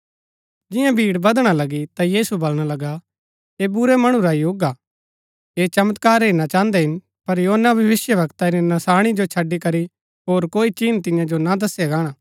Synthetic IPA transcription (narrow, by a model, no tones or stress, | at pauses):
d͡ʒɪjãbʱiːɽbɐd̪ɽ̃alɐɡit̪ajiːsuboːlɽ̃alɐɡa | ebʊɾemɐɽ̃ũɾajoːɡa | eːt͡ʃɐmət̪kaːɾinat͡ʃãːnd̪ɛɦɪn | pɐɾjoːɦənːabʱɐʋɪsjəʋɐkt̪aɾinɐsaːɽ̃id͡ʒot͡ʃʰɐɖːikɐɾi | ɦoːɾkoːit͡ʃiːnt̪ɪjãd͡ʒonad̪ɐsjaɡaːɽ̃aː